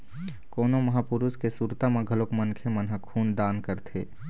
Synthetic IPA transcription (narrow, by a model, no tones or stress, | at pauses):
koːnomɐɦapʊɾuskesuːɾt̪amẽɡʱəlokmənkʰemənɦəkʰːuːnd̪aːnkəɾt̪ʰeː